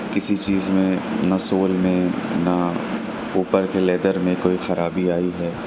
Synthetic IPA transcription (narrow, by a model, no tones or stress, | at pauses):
kɪsit͡ʃiːzmẽnasoːlmẽnɐ | uːpəɾkeleːd̪əɾmẽkoːixɐɾaːbiaːiɦɛː